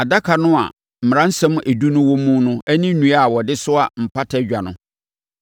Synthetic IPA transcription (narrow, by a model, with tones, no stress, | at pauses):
a˨da˦kʰa˨nʊ̃˦a̰˨ | m̩˨m˨ɾã˦n̩˦sɛ̃˦m˦ʔe˨du˦nʊ̃˦wɔ˦mũ˦nʊ̃˦æ˦nĩ˦nũ˦a˦˨wɔ˨dɪ˦sʊ˦a̰˨m̩˨pʰa˦tʰɛ˦d͡ʑᶣa˨nʊ̃˨˦